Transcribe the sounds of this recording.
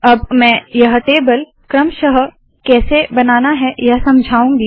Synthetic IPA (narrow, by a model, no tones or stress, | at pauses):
ɐbmɛ̃ːjɐɦʈeːbəl | kɾəmʃəɦ | kɛːsebɐnaːnaɦɛjɐɦsɐmd͡ʒʱaːũːɡiː